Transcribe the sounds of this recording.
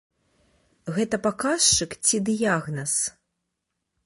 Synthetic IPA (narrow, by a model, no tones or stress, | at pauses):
ɣɛt̪ɐpakast͡ʂɨkt͡sʲid̪ɨjaɣnɐs